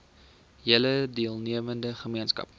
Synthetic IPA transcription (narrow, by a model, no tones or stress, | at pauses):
ɦiələdiəlˠniəvəndəχəmiənskɐ̰p̚